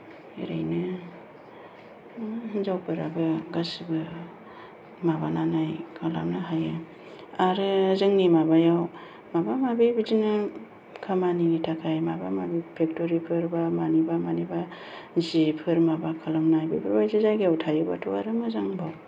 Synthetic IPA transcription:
ḭɾa̰jnɯ | zawpɯɾabɯɡasibɯ | mabananajkʰala̰mnaɦaja | aɾɯzɯŋnimabajaw | mabamabibizinɯ | kʰamaniɡitʰakʰajmabamabipʰek̚toɾipʰɯɾbamanibamaniba | zipʰɯɾmabakʰalamnajbibabajzizajɡewtʰajuba̰tʰua̰ɾɯmɯzaŋbaw

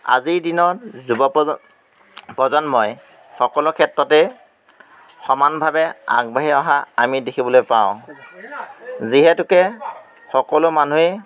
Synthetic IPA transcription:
a̰ziɹdinɔzubɔ | pɔzɔnmɔj | xɔkɔlʊkʰɛtɹɔtɛ | xɔmanbʱabɛa̰ɡ̚baɦiɔɦaamidekʰibɔlojpaʊ̃ | ziɦɛtʊkɛ | xɔkɔlʊmanue

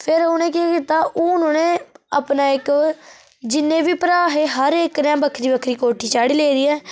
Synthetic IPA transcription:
pʰɪɾʊːnẽːkɪaːkit̪aːʔoːʊnõːnẽːaːpnaːɪk | d͡ʒɪnːẽːbiːpəɾaːɦeːɦəɾeːkɾɛ̃ːbəkʰɾiːbəkʰɾiːkoːʈʰiːt͡ʃaːɽiːleːɾiːɛː

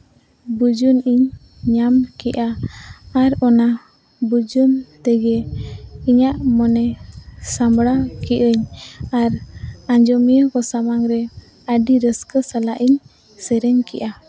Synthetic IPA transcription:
bud͡ʒuniɲ | ɲamkiʔaː | ɾɔna | bud͡ʒunt̪ɛɡɛ | iɲaʔmɔnɛsambɽakiʔəɲaɾaɲd͡ʒɔmijəkɔsamaŋɾɛ | aɖiɾəskəsalaʔiɲ | sɛɾɛɲkiʔa

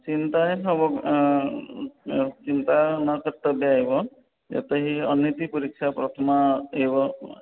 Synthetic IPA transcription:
t͡ʃint̪asɔbɔk | t͡ʃint̪anɔkət̪ːɔbjaɦjbɔ | d͡ʒa̰t̪eɦiɔnit̪ipuɾikʃʰapɾɔt̪ʰɔmaɦebɔ

